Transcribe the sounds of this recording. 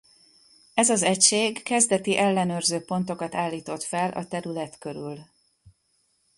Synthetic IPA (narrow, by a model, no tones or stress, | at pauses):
ɛzɒzɛcʃeːɡkɛzd̪ɛt̪iʔɛlːɛnøːrzøːpo̞nt̪o̞kɒt̪aːlːiːt̪o̞t̪fɛlʔɒ̰t̪ɛɾylɛt̪kø̞ɾyl